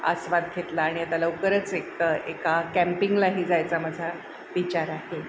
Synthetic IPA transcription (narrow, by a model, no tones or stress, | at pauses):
ə̰sʋad̪̚ɡʱet̪laːɽ̃iat̪aləukəɾət͡sekəekakæ̃mpiŋɡlaɦiːd͡zajt͡samad͡zʱa | ʋit͡ɕaɾaɦe